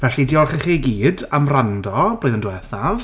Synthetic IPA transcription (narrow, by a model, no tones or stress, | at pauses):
v̥ɛɬidiɔrχəχiɡiːdamrandɔb̥loɨðəndwɛθav